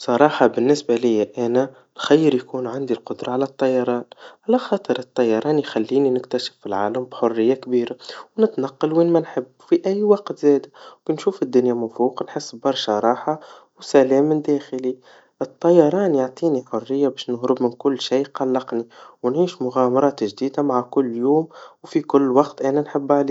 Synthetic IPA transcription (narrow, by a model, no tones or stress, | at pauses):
sˤɑɾˤɑːħɑbɪnːɪsbalɪjːaʔænæ | nxajːəɾjkuːnʕand̪ilqʊd̪ɾˤɑʕalæt̪ˤːɑjːɑɾˤɑːnʕalæxɑːt̪ˤəɾɨt̪ˤːɑjːɑɾˤɑːnjxælːiːninɪkt̪æʃɪ̥fːilʕaːləmbħorːɪjːakbiːɾawnɪt̪nɑqːɑlwiːnmænħəbːfiʔæjːwɑqt̪zɛːd̪akinʃuːfɪd̪ːʊnjamæfuːqnħəsːbɑɾˤʃɑɾˤɑːħa | wsælɛːmːɪnd̪ɛːxəli | ʔət̪ˤːɑjːɑɾˤɑːnjaʕt̪ˤiːniħʊrːɪjːabɛːʃnʊɦɾʊbmɪnkʊlːʃiːqɑlːɑqniwnʕiːʃmʊɣæmɑɾˤɑːt̪ʒd̪iːd̪amaʕakʊlːjuːmwfikʊlːwɑqt̪ʔænænħɪbːaʕliː